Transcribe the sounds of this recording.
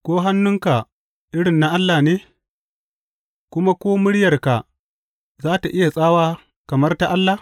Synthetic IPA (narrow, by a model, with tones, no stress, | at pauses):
kʷoː˦ɦa˦nːʊ˦ŋka˨ | ʔɪ˦ɽɪ˨nːa˦ʔa˦lːaː˨neː˦ | kʷʊ˦ma˦kʷoː˦mʊ˦ɽjɐ˨rka˨ | zaː˦ta˨ʔɪ˦ja˨sʼaː˦waː˦ | kɐ˨mɐ˦rta˦ʔa˦lːa˨